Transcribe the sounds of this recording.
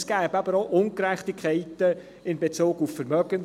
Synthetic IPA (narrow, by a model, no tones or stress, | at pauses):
sɡ̥æːbɑb̥əɾoʔʊŋkɾɛχtɪkʰχɛɪtə | ɪnbet͡soːɡuffəɾmœɡən